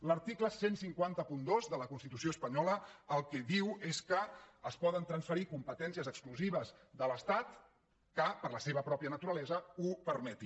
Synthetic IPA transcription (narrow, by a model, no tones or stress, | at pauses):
ləɾt̪ikləsensiŋkwant̪əpund̪ozðələkunst̪it̪usioəspəɲɔləːlˠkɛðiweskəːspɔðənt̪ɾənsfəɾikumpət̪ɛnsiəzəkskluziβəzðələst̪at̪ | kəpəɾləseβəpɾɔpiənət̪uɾəlɛzəupəɾmɛt̪i